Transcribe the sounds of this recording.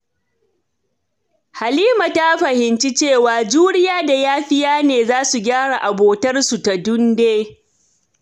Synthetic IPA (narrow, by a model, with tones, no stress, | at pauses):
ha˨liː˦ma˨ta˦ɸɐ˨hɪ˨nt͡ʃi˦t͡ʃeː˦˨waː˨d͡ʒuː˦ɽɪ˦jaː˦da˨jaː˦ɸɪ˦jaː˦neː˨zaː˦su˨ɡʲaː˦ɽa˨ʔa˨boː˨tɐ˦rsu˨ta˨dʊ˦ndeː˦